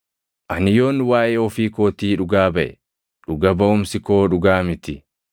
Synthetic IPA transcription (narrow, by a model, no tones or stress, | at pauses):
ʔɐnɪjo̞ːnwaːʔeːɔfiːkoːt̪iːᶑʊɡaːbɐʔɛ | ᶑʊɡɐbɐʊmsɪkoːᶑʊɡaːmɪt̪ɪ